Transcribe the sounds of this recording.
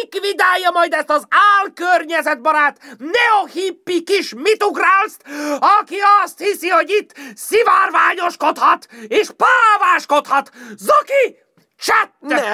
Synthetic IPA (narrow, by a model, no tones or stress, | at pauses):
kʋid̪aːjːɒmɒjd̪ɛst̪ɒzaːlkørɲɛzɛd̪̚bɒɾaːt̪nɛohipːikiʃmit̪uɡraːlst̪ɒkiɒst̪hisiho̞ɟit̪ːsivaːrvaːɲo̞ʃko̞t̪hɒt̪eːʃpalvaːʃko̞t̪hɒt̪zoki | t͡ʃɛt̪ːɛ